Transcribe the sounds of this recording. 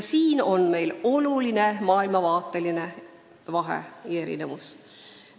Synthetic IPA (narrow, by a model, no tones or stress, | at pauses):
siːnonme̞jlo̞lulinemɑːilmɑvɑːt̪ːeline | ʋɑɦḛeɾḭnemus